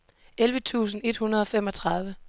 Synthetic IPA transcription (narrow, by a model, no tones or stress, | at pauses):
elʋət͡sʰṵːs̬n̩e̝d̥hunɐð̞ˠɒ̽fem̰ɒ̽t͡sʰʁɑ̈ð̞ˠʋə